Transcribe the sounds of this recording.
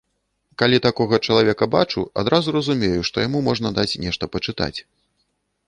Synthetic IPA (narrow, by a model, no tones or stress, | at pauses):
kalʲit̪akɔɣɐt͡ʂɐlˠavʲɛkɐbat͡ʂua̰d̪ɾazuɾɐzumʲejuʂt̪ɔjamumɔʐnɐd̪at͡sʲnʲɛʂt̪ɐpɐt͡ʂɨt̪a̰t͡sʲ